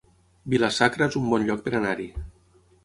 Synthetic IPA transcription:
bilasakɾaezumbɔnʎɔk̚peɾanaɾi

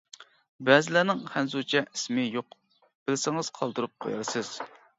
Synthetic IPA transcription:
bɛzɪlænɪŋχænzut͡ʃʰɛʔismɪjoq | b̥ɪlsɪŋɨz̥qʰɑlˠd̪uɾup̚qʰo̰jɑ̰ɾsɨz̥

